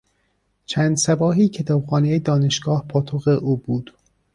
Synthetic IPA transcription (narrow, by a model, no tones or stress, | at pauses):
t͡ʃʰæːnd̪sæbɒːɦiːcʰe̞t̪ʰɒːbxɒːnejed̪ɒːne̞ʃɡ̥ɒːhpʰɒːt̪ʰoɣeʔuːbuːd̪̥